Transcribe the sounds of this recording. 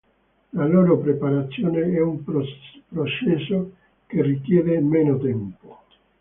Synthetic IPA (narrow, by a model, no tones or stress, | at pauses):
laloːɾopɾepaɾat̪sːjoːneɛumpɾot͡ʃɛsːo | kerːikjɛːvemɛːnot̪ɛmpo̥